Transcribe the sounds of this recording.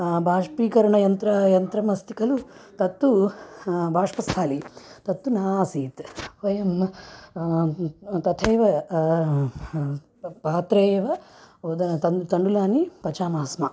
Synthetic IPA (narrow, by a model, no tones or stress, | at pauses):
bʱaːʂpiːkɐɾɐɳɐjɐnt̪ɾɐjɐnt̪ɾɐmɐst̪ʰikɐlut̪ɐt̪ːu | bʱaːʂpɐst̪ʰaːlit̪ɐt̪ːunaːsiːt̪ʋɐjɐm | t̪ɐt̪ʰeːʋɐ | paːt̪ɾeːɐʋɐd̪ɐt̪ɐt̪ɐɳɖulaːnipɐt͡ʃaːmaːsmɐ